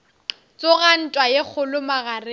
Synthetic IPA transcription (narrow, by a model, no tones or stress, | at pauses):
t͡sʼoɣan̩tʼwajek͡xʰʊlʊmaɣarɪ